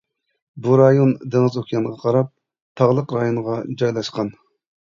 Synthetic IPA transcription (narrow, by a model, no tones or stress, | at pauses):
buɾɑjond̪eŋɨzokʰʲjɑŋʁɑqʰɑɾɑp̚ | t̪ʰɑʁlˠəqɾɑjoɴʁɑd͡ʒɑjlˠɑʃqɑn